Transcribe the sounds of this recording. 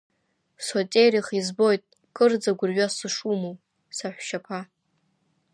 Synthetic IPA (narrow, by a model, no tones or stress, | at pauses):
sotʲʼejriχizbo̞jtʼ | kʼɨrd͡zaɡʷʊrɥasɨʂumow | saħʷʃapʰa